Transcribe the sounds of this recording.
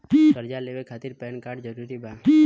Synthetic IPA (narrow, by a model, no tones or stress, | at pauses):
pisəɾd͡ʒalebekʰat̪iɾpɛnkaɖd͡ʒəɾuɾibapi